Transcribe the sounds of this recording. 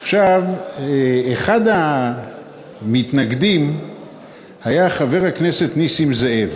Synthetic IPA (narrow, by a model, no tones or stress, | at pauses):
aχʃav | eχada | mit̪naɡd̪im | hajaχave̞ʁhakne̞se̞t̪nisimzeev